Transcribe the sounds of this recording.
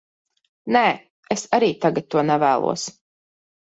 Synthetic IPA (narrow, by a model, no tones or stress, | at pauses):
nɛ | esaɾiːt̪aɡat̪ːuɔnɛvæːlˠṵɔs